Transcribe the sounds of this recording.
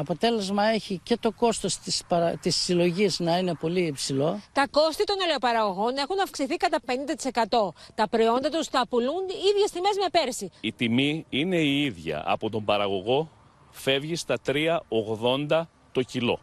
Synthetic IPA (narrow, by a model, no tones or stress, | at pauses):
ɐpo̞t̪e̞le̞zmɐe̞çice̞t̪o̞ko̞st̪o̞st̪ispɐt̪isːilo̞ʝiznɐine̞po̞liipsilo̞t̪ɐko̞st̪it̪o̞nele̞opɐɾɐɣo̞ɣo̞ne̞xunɐfksiθikɐt̪ɐpe̞nind̪ɐt̪i̥se̞kɐt̪o̞t̪ɐpɾo̞io̞nd̪ɐt̪ust̪ɐpuluniðʝe̞st̪ime̞zme̞pe̞ɾsiit̪imiine̞iiðʝɐ̰ʔɐ̰pot̪o̞mbɐɾɐɣo̞ɣo̞ | fe̞vʝist̪ɐt̪ɾiɐo̞ɣðo̞nd̪ɐ | t̪o̞cilo̞̰